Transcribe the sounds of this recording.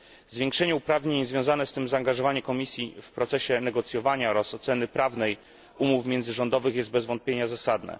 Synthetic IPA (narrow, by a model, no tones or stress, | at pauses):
zvʲjeŋkʂɛɲɛupɾavɲeɲzvʲjɔ̃w̃zanɛst̪ɘmzaːŋɡaʐɔvaɲɛkɔmʲisʲjifpɾɔt̪sɛɕɛnɛɡɔt̪sʲjɔvaɲaɾɔsɔt̪sɛnɘpɾavnɛj | umufmʲjɛnzɘʐɔnd̪ɔvɘxjɛst̪bɛzvɔnt̪pʲjeɲazasad̪nɛ̰